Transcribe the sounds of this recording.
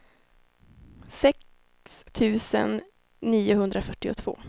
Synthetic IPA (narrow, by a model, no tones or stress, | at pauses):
sɛk | st̪ʰʉ̟ːsə̰nː | iːʊhɵnd̪ɾafœʈːɪʊ̰t̪ʰv̥o̰ː